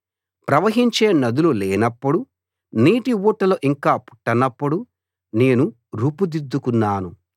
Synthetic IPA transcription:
pɾɐʋɐɦiɲt͡ʃe̞ːnɐd̪ululɛːnɐpːuɽu | niːʈiʋuːʈːɐloːʔiŋkaːpu̥ʈːɐnɐpːuɽu | ne̞ːnu | ɾuːpud̪id̪ːukunːaːnu

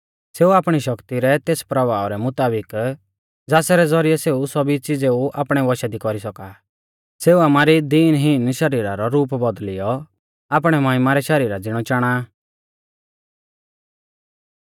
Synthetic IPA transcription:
seːuaːpɽ̃iʃɔkt̪iɾɛt̪eːspɾɔʋaːɾɛmʊt̪aːbɪk | d͡zaːsɛɾɛd͡zɔɾɪjɛseːusɔbit͡sɪd͡zeuʔa̰ːpɽ̃ɛʋɔʃad̪ikɔɾisɔka | seːuamaːɾid̪iːnɦinʃɐɾiːɾaɾɔɾuːpbɔd̪lɪjɔ | aːpɽ̃ɛmɐɦɪmaɾɛʃɐɾiːɾad͡zɪɽ̃ɔt͡ʃaːɽ̃a

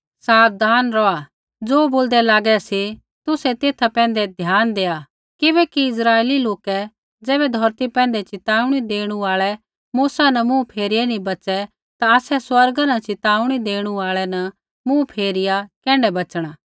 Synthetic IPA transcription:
saːb̚d̪ʱaːnɾɔa | d͡zoːboːld̪ɛlaːɡɛse | t̪ʊsɛt̪eːt̪ʰapɛ̃ːn̆d̪ɛd̪ʱjaːnd̪eːa | kɪbɛːkiɪsɾaːeliloːkɛ | d͡ʒɛːβɛd̪ʱɔːɾt̪ipɛ̃ːnd̪ɛt͡ʃɪt̪aːʊɽ̃id̪eːɽ̃uaːɭɛ | muːsanɐmũpʰeːɾɪɛnĩbɐt͡ʃɛ | t̪aɐsɛswɐɾɡanɐt͡ʃɪt̪aːʊɽ̃id̪eːɽ̃uaːɭɛnɐ | mũpʰeːɾɪjakɛ̃ːɳɖɛbɐt͡ʃɽ̃aː

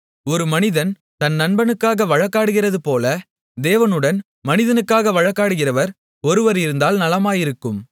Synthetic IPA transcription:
ɔɾɯmɐnɪðɐn | t̪ɐnːɐnbɐnɯkːaːɣɐʋɐɻɐkːaːɽɯɣɪrɐðɯpoːlɐ | d̪eːʋɐnɯɽɐn | mɐnɪðɐnɯkːaːɣɐʋɐɻɐkːaːɽɯɣɪrɐʋɐɾ | ɔɾɯʋɐɾɪɾɯnd̪aːlnɐlɐmaːjɪɾɯkːɯm

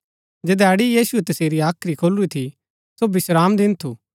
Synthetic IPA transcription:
d͡ʒɛːd̪aːɽijiːsuɛt̪ɐseːɾiaːkʰɾikʰoːluit̪ʰi | sobɪsɾaːmd̪ɪnt̪ʰuː

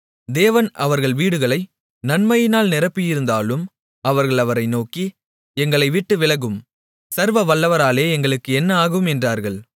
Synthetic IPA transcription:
d̪eːʋɐnʔɐʋɐɾɣɐɭʋiːɽɯɣɐɭɐɪ | nɐnmɐjɪnaːlnɪɾɐpːɪjɪɾɯnd̪aːlɯm | ɐʋɐɾɣɐɭɐʋɐɾɐɪnoːki | ɛŋɡɐɭɐɪʋɪʈːɯʋɪɭɐɣɯm | sɐɾʋɐʋɐɭːɐʋɐɾaːleːɛŋɡɐɭɯkːɯɛnːɐaːɣɯmɛndraːɾɣɐɭ

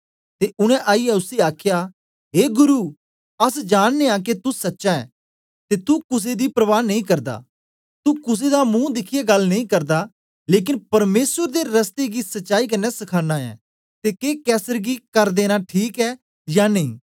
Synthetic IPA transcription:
t̪eːʔʊɽ̃ɛ̃ʔaːiɛʊseaːkʰeja | ɦeːɡʊɾuː | ɐsd͡ʒaːɽ̃neãk̬et̪usɐtːʃaɛ̰ː | t̪et̪ukʊs̬ed̪ipɾɐʋaːnːɐ̃ĩkɐɾd̪a̰ː | t̪ukʊs̬ed̪amũːd̪ɪkʰijeɡɐlnɐ̃ĩkɐɾd̪aː | leːk̬ɪnpɐɾmeːsəɾd̪eɾɐst̪eɡisɐtːʃaːik̬ɐnːɛsɐkʰaːnːaɛ̰ː | t̪ekeːkɛːsəɾɡikɐɾd̪eːnaʈʰiːkɛ | jaːnɐĩː

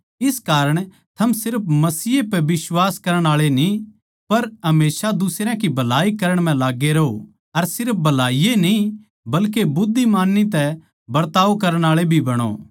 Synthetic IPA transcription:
ɪskaːɾəɽ̃ | t̪ʰɐmsɪɾpʰmɐsiːepɛbɪswaːskɐɾəɽ̃aːɭeni | pɐɾɦɐmeːsad̪ʊsɾãkibʱɐlaːikɐɾəɽ̃m̤ɛ̃laːɡːeɾɐɦo̰ | ɐɾsɪɾp̚ʰbʱɐlaːijenĩ | bɐlkebʊd̪ʱːimaːnːit̪ɛ | bɐɾt̪aːʋokɐɾəɽ̃aːɭebʱibɐɽ̃o̰ː

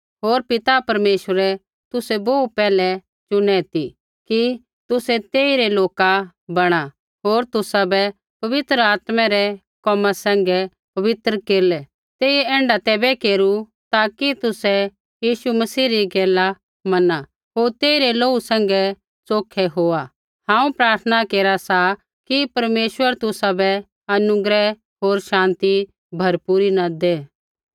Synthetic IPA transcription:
ɦoːɾpɪt̪apɐɾmeːʃəɾɛ | t̪ʊsɛboːupɛːlɛ | t͡ʃʊnɛt̪i | ki | t̪ʊsɛt̪eːiɾɛloːka | bɐɽ̃a | ɦoːɾt̪ʊsabɛ | pɐʋɪt̪ɾəaːt̪mɛɾɛ | kɔːmasɛ̃ːŋɡɛ | pɐʋɪt̪ɾəkeːɾlɛ | t̪eːiɛ̃ːɳɖat̪ɛːbɛkeːɾu | t̪aːkit̪ʊsɛ | jiːʃumɐsiːɾiɡɛːla | mɐna | ɦoːɾt̪eːiɾɛloːusɛ̃ːŋ̆ɡɛ | t͡soːkʰɛɦoːa | hãːũpɾaːɾt̪ʰənakeːɾasa | kipɐɾmeːʃwəɾt̪ʊsabɛ | ɐnʊɡɾɛ | ɦoːɾʃãːnt̪i | bʱɐɾpuːɾinad̪eː

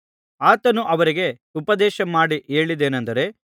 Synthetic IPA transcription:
aːt̪ɐnuʔɐʋɐɾiɡe̞ | upɐd̪ɛːʃɐmaːɽiʔeːɭid̪eːnɐnd̪ɐɾe̞

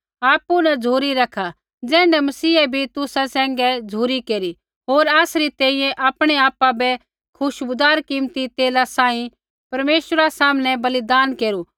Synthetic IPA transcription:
aːpunɐd͡zʱuːɾiɾɐkʰa | d͡zɛ̃ːɳɖɛmɐsiːɛbʱit̪ʊsasɛ̃ːŋɡɛd͡zʱuːɾikeːɾi | ɦoːɾaːsɾit̪ɛ̃ːĩjɛ̃ʔaːpɽ̃ɛaːpabɛ | kʰʊʃbʊd̪aːɾkĩmt̪it̪eːlasãːĩ | pɐɾmeːʃəɾasaːmnɛbɐlɪd̪aːnkeːɾu

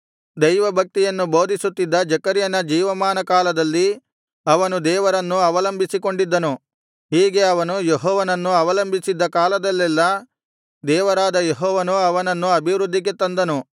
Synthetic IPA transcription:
d̪ɐjʋɐbʱɐk̚t̪ijɐnːuboːd̪ʱisut̪ːid̪ːɐd͡ʒɐkɐɾjɐnɐd͡ʒiːʋɐmaːnɐkaːlɐd̪ɐlːi | ɐʋɐnud̪ɛːʋɐɾɐnːuɐʋɐlɐmbʱisiko̞ɳɖid̪ːɐnu | hiːɡe̞ɐʋɐnujeɦɔːʋɐnɐnːuɐʋɐlɐmbʱisid̪ːɐkaːlɐd̪ɐlːɛlːɐ | d̪ɛːʋɐɾaːd̪ɐjeɦɔːʋɐnuɐʋɐnɐnːuɐbʱiʋɾud̪ʱːiɡe̞t̪ɐnd̪ɐnu

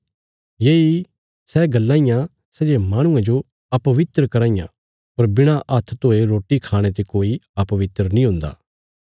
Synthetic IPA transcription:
jei | sɛɡɐlːãːĩjã | sɛd͡ʒemaːɽ̃ʊ̃ẽd͡ʒo | ɐpɐʋɪt̪ɾəkɐɾãːĩjã̰ | pɐɾbɪɽ̃aʔɐt̪ʰt̪oːeɾoːʈikʰaːɽ̃et̪̬ekoːiɐpɐʋɪt̪ɾənĩɦʊ̃nd̪a̰ː

